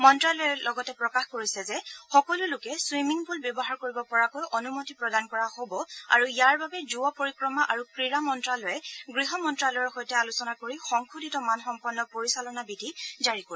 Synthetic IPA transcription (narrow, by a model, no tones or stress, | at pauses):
mɔntɹalɔjɛlɔɡɔtɛpɹɔkaxkoɹisɛzɛxɔkɔlulʊkɛswimiŋbulbjɔbɔɦaɹkoɹibɔpɔɹakojʔɔnumotipɹɔdankɔɹahobɔa̰ɹuijaɹbabɛzuɔpoɹikɹɔmaʔaɹukɹiɹamɔntɹalɔjɛɡɹiɦɔmɔntɹalɔɹxojtɛalusɔnakoɹixɔŋkʰuditɔmanxɔmpɔɹnːɔpoɹisalɔnabidʱizaɹikoɹ